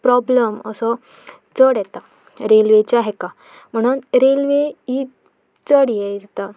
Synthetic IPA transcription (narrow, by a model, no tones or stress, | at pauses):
pɾɔbləmə̰sɔ | t͡səɽjɛt̪a | ɾelʋet͡ɕaɦɛka | m̤əɽ̃uːnɾelʋei | t͡səɽjɛd͡zt̪a